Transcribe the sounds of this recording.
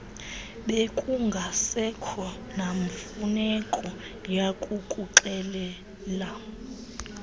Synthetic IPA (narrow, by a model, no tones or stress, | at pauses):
ɓekʼuŋɡʱasɛkʰɔ | naɱfunɛkʼɔ | jakʼukʼuǃɛlɛ | la